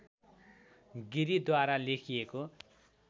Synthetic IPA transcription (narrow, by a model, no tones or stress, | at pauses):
ɡiɾid̪waɾalekʰijeko